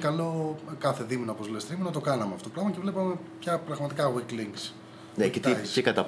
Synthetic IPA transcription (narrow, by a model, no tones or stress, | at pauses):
kɐlo̞kɐθe̞ðiminoopozle̞st̪ɾimunɐt̪o̞kɐnɐmeɐft̪oklɐmɐce̞vlepɐme̞pçɐpɾɐɣmɐt̪ikɐɣikliŋɡs | necet̪icekɐt̪ɐ